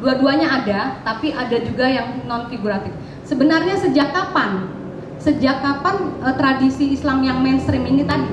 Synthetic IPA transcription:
duaduaɲaːdat̪apiʔadad͡ʒuɡajaŋnɔnfiɡuɾat̪ɪf | səbənarɲasəd͡ʒakapan | səd͡ʒakapant̪ɾadisiːslamjaŋmɛnst̪ɾiminit̪adi

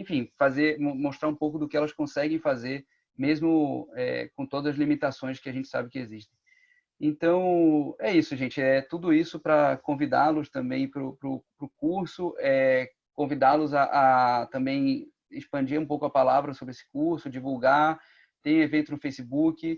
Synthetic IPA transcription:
ẽfĩfazeɾmmoʃt̪ɾaɾũpowkʊd̪ʊkɪɛlɐskõsɛɡẽj̃fazeɾ | mezmʊɛ̰kõt̪od̪ɐzɐzlimit̪asõj̃skɪaʒẽnt͡ʃɪ̥sa̰bɪkɪeziʃt̪ẽj̃ | ẽnt̪ɐ̃w̃ɛisʊʒẽt͡ʃɪɛt̪ud̪ʊisʊpɾɐkõvid̪a̰lʊst̪ɐ̃mbẽj̃pɾʊpɾʊpɾʊkuɾsʊʔɛ | kõvid̪alʊzɐʔːt̪ɐ̃mbẽj̃ | ɪʃpɐ̃d͡ʒiɾũpowkʊɐpalavɾɐsobɾɪesɪ̥kuɾsʊd͡ʒivuɡa | t̪ẽj̃evẽnt̪ʊznʊfejsɪbukɪ

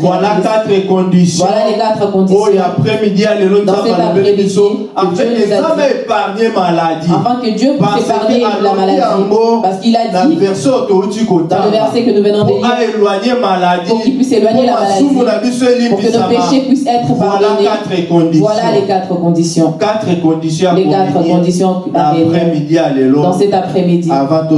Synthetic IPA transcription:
vwalakat̪ʁɛkɔ̃disjwalalekat̪χəkɔ̃d̪isojapʁɛmidjalelonãseapebiso | aɛ̃ezaaɛepaʁɲemaladĩfɛ̃kəd̪jøpɥissepaʁɲelamaladibopaʁsə̥kiladaivɛʁsɔot̪oɾut̪ikot̪ãləvɛʁsekənuvɛnɔ̃d̪elaelwaɲemaladuipɥiselwaɲɲelaaladuifunabiselĩpuʁikənopeʃepɥisɛt̪χəfɔalanekat̪ʁekɔ̃d̪ivwalalekat̪χəkɔ̃d̪isjɔ̃kat̪ʁekɔ̃d̪isjɔ̃alɛkat̪χəkɔ̃d̪is̬jɔ̃ | aɛɛmidialɛlɔd̪ɑ̃sɛt̪apχɛmid̪iavãt̪o

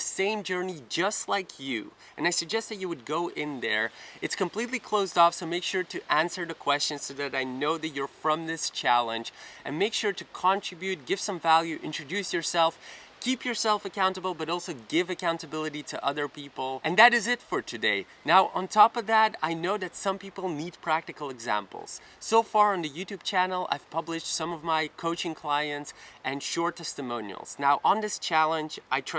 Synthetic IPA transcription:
ðɨsẽɪ̃md͡ʒɜ˞nid͡ʒʌstˡlaɪkʰjʉ̰ | ɨ̃naɪsɨɡ̚d͡ʒɛst̪̚ðɨt͡ʃɨwɨd̚ɡoʊʔɪ̃nðə˞ɨtskə̃mpʰl̥itˡlikʰl̥oʊzdɔfsoʊmeɪkʃʊɹɾɨʔæ̃nsə˞ðɨkʰw̥ɛst͡ʃɨ̃nsoʊðɨɾaɪnoʊðɨt͡ʃə˞fɹʌ̃mðɪst͡ʃʰælˠə̃nd͡ʒʔɨ̰̃nmeɪkʃʊɹɾɨkʰɑ̃nt͡ʃɹ̥ɨbjʉt̚ɡ̥ɪv̥sʌ̃ɱvælˠjʉʔɪ̰̃nt͡ʃɹ̥ɨdʉsjə˞sɛlˠf | kʰipjə˞sɛlˠfɨkʰãʊ̃ntəbl̩ˠbʌɾɔlˠsoʊɡɪvɨkʰãʊ̃ntɨbɪlˠəɾiɾɨʔʌðə˞pʰipl̩ˠʔɨ̃nðɨɾɨzɨtfə˞tʰɨdeɪ | naʊʔə̃ntʰɔpʌvðæɾaɪnoʊðɨtsʌ̃mpipl̩ˠnid̚pʰɹ̥æk̚tɨkl̩ˠɨɡzæ̰̃mpl̩ˠz̥ | soʊfɑɹɨ̃nðɨjʉtʉb̚t͡ʃʰænl̩ˠa̰ɪv̥pʰʌblɨʃtsʌ̃mʌvmaɪkʰoʊt͡ʃɪ̃ŋkʰl̥aɪɨ̃ntsʔɨ̃nʃɔɹtʰɛstɨmõʊ̃nḭl̩ˠz̥naʊʔə̃nðɪst͡ʃʰælˠə̃nd͡ʒʔaɪtʰ

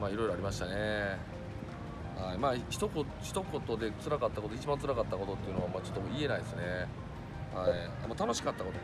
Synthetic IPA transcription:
maːiɾo̞jɾoaɾimaɕi̥t̪ane̞ | haimaːçi̥t̪oko | çi̥t̪o̞ko̞t̪o̞d̪e̞t͡sɨɾakat̪ːakot̪oit͡ɕibãnt͡sɨɾakat̪ːako̞t̪o̞t̪ːe̞iɯ̟no̞amaːt͡ɕo̞̥t̪ːokoie̞naid̪esɨne | hai | amoːt̪ano̞ɕi̥kat̪ːako̞t̪o

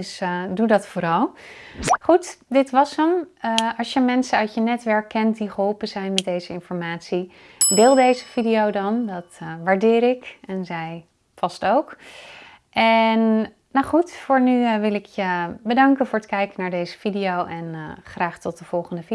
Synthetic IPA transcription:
sdudɑtfoːɾɑlˠ | χutdɪtʋɑsəməɑlˠsjəmɛnsənœɥtjənɛtʋɛɹkːɛntdiχəɦɔlˠpənzɛjnmɛt̚dejzəɪnfɔɹmaːtsi | dɪːlˠdejzəvidiowdɑndɑtʋaːɹdɪːɾɪkɛnzɛj | fɑstowk | ʔɛnː | aχutfʊːɹnyʋɪlɪkʰjəbədɑŋkənvʊːɹətkɛjkənaːɹdejzəv̥idijowʔɛnχraːχtɔt̚dəv̥ɔlˠχəndəvi

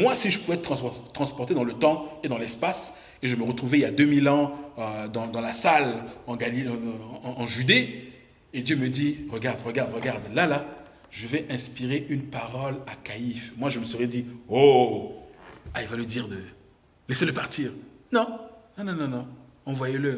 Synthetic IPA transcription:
mwasiʒəpuvɛtt̪χɑ̃t̪χɑ̃spɔʁt̪ed̪ɑ̃lət̪ɑ̃ed̪ɑ̃lɛspas | eʒəməʁət̪χuvɛiljad̪ømilɑ̃ød̪ɑ̃d̪ɑ̃lasalɑ̃ɡalĩː | ʒyd̪e | ed̪jøməd̪iʁəɡaʁd̪ʁəɡaʁd̪ʁəɡaʁd̪lala | ʒəvɛʔɛ̃spiʁeʔynpaʁɔlakaifmwaʒəməsəʁɛd̪io | ailvaləd̪iʁd̪ə | lɛseləpaʁt̪iːʁnɔ̃nɔ̃nɔ̃nɔ̃nɔ̃ | ɑ̃vwajelə

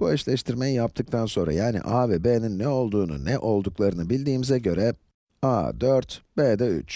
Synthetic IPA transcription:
b̥uɛʃlʲɛʃt̪ʰiɾme̞jijap̚t̪ʰɯk̚t̪ʰanso̞nɾa̰jaːnḭʔaːvebeninːɛo̞lˠd̪uːnṵnɛʔo̞lˠd̪uklˠaɾɯnɯbilʲd̪iːmizɛɟø̞ɾɛ | a̰ːd̪øɾt̪bed̪ɛy̰t͡ʃ

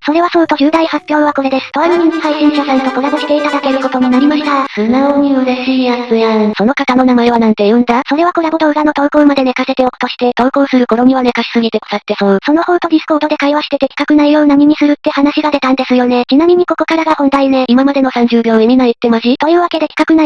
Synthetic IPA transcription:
so̞ɾe̞βasoːt̪o̞ʑʲɨːd̪aihapʲːjo̞ːβako̞ɾe̞d̪e̞sɨ̥t̪omaɲiihaiɕĩɰɕasãŋk̪akoɾaɡoɕi̥t̪eit̪ad̪ake̞ɾɯ̟ko̞t̪o̞ɲ̟inaɾʲimaɕi̥t̪asɯnaoɲʲiɯ̟ɾeɕiːasɨãso̞no̞kak̪anonamaeβanãnt̪e̞jɯ̃nd̪aso̞ɾe̞βako̞ɾaboɾoɾano̞t̪o̞ːkoːmad̪e̞ne̞kase̞t̪e̞oko̥t̪o̞ɕi̥t̪e̞t̪o̞ːko̞ːsɨɾɯ̟ko̞ɾo̞ɲ̟iβane̞kaɕi̥sɨɡʲit̪e̞ko̥sat̪ːe̞soso̞no̞ho̞ːt̪o̞d̪ʲisɨ̥ko̞ːd̪o̞d̪e̞kaiβaɕi̥t̪e̞t̪e̞kʲi̥kakɯ̟naijo̞ːnaɲ̟iɲ̟isɨɾɯ̟t̪ːe̞hanaɕiɡad̪e̞t̪ãnd̪e̞sɨjo̞ne̞t͡ɕinamʲiɲ̟iko̞ko̞kaɾaɡahõ̞nt̪aineimamad̪e̞no̞sãɲ̟d͡ʑɨːbʲjo̞ːẽɲ̟imait̪ːe̞maɕit̪o̞jɯ̟ːβake̞d̪e̞kʲi̥kakɯ̟na

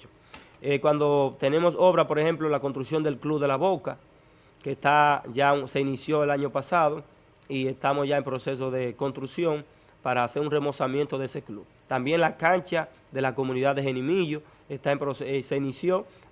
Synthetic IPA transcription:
ekwand̪o̞t̪e̞ne̞mo̞so̞βɾapo̞ɾe̞he̞mplo̞lako̞nt̪ɾuksjo̞nd̪elkluβðe̞laβo̞ka | kest̪aʝase̞inisjo̞elaɲo̞pasaðo̞ | ie̞st̪amo̞sʝaempɾo̞se̞s̬o̞ðe̞ko̞nst̪ɾuksjo̞ŋ | paɾaːse̞ɾunre̞mo̞samjent̪o̞ðe̞se̞kluβ | t̪ambje̞ŋlakaɲt͡ʃa | ðe̞lako̞mũniðaðe̞ɦe̞nĩmiʝo | est̪aempɾosse̞inisjo̞

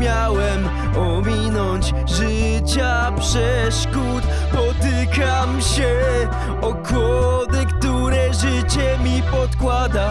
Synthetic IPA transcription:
jawɛm | ɔmʲinɔɲd͡ʑ | ʐɨ | t͡ɕa | pʂɛ | ʂkut̪ | pɔt̪ɨkamɕɛ | ɔkɔd̪ɛkt̪uɾɛʐɨt͡ɕɛmʲipɔt̪kwad̪a

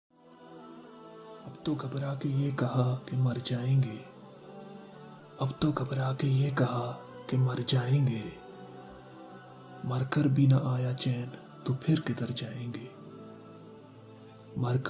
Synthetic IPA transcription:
ɐbt̪oɡʱɐbɾaːkejekɐɦakemɐɾd͡ʒaːẽːŋɡeː | ɐbt̪oɡʱɐbɾaːkejekɐɦakemɐɾd͡ʒaːẽːɡeː | mɐɾkəɾbʱinaʔaːjat͡ʃɛːn | t̪opʰɪɾkɪd̪əɾd͡ʒaːẽːŋɡeː | mɐɾk

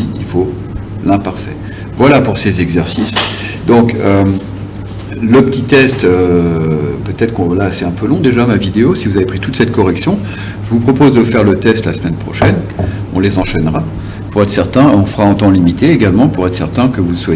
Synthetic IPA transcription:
iḭlfo | lɛ̃paʁfɛ̰ | vwalapuʁsezɛɡzɛʁsis | d̪ɔ̃kø | ləpət̪it̪ɛst̪ø | pøt̪ɛt̪χəkɔ̃lasɛt̪ɛ̃pølɔ̃d̪eʒamavid̪eosivuzavepχit̪ut̪sɛt̪̚kɔʁɛksjɔ̃ | ʒəvupχɔpozd̪əfɛʁlət̪ɛst̪lasmɛnpχɔʃɛn | ɔ̃lezɑ̃ʃɛnʁa | puʁɛt̪χsɛʁt̪ɛ̃ɔ̃fəʁaɛ̃t̪ɑ̃limit̪eːɡalmɑ̃puʁɛt̪χsɛ̰ʁt̪ɛ̃kəvuswa

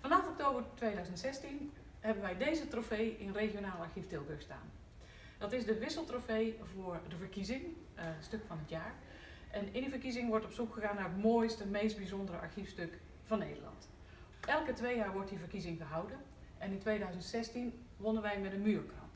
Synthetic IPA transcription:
fɑnɑfɔk̚towbərtʋejdœɥzəntsɛstin | hɛbənʋɛjdejzətrofejɪnnrexjonaːlˠaɹxiftɪlˠbøsta̰ːn | d̥ɑtɪsdəʋɪsəlˠtrofejvʊːɹdəvəɹkizɪŋ | støkfɑnətjaːɹ | ʔɛnɪndəvəɹkizɪŋʋɔɹtɔpsukxəɣaːnːarətmoːjstəmejst̚bizɔndərəʔa̰ɹxifstøk | fɑnːḛːdə̰lɑ̰nt | ɛlˠkətʋejjaːɹʋɔɹtdivərkizɪŋɣəɦawdən | ʔɛnɪntʋeːdœɥzəntsɛstin | ʋonənʋɛjmɛdənmyːrkʰɑ

